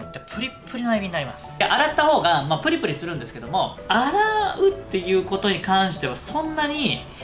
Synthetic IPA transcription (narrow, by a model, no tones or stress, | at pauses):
it̪ːapʰɯ̟ɾʲipʰːɯ̟ɾʲinaibʲiɲ̟inaɾʲimasɨ̥ʔaɾat̪ːaho̞ːɡamapɯ̟ɾʲipɯ̟ɾʲisɨɾɯ̟̃nd̪e̞sɨ̥ke̞d̪o̞mo̞aɾaɯ̟t̪ːe̞jɯ̟ːko̞t̪o̞ɲ̟ikãɰ̃ɕi̥t̪e̞βasõ̞nːaɲ̟i